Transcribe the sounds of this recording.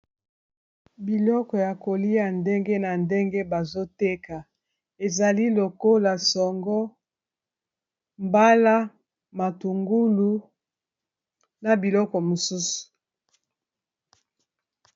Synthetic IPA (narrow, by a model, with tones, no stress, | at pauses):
bi˨lɔ˦kɔ˨ja˨ko˨li˦a˨nde˦ŋɡe˦na˨nde˦ŋɡe˦ba˨zo˦te˦ka˨ | e˨za˨li˦lo˨ko˦la˨sɔ˨ŋɡɔ˦ | mba˦la˦ | ma˨tu˨ŋɡu˦lu˦ | na˨bi˨lɔ˦kɔ˨mo˨su˦su̥˨